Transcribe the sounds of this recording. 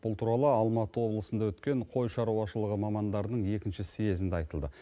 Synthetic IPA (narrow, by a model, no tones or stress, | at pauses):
b̥ʊlˠt̪ʰuɾɑlˠəɑlˠmɑt̪əwo̞blˠəsənd̪ɑwɵt̪kʲe̞ɴqʰo̞jʃɑɾɑwɑʃəlˠəʁəmɑmɑnd̪ɑɾd̪əɴje̞kʲɪnʃɪsije̞zɪnd̪eɑjt̪əlˠd̪ə